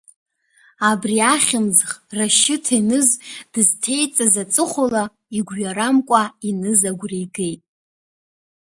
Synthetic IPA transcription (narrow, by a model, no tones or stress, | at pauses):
abriaχʲɪmzχraʃɪtʰinɨzd̥ɨztʰe̞jt͡sʼazat͡sʼɨχʷola | iɡʷɥaɾamkʷʼainɨzaɡʷrejɡe̞jtʼ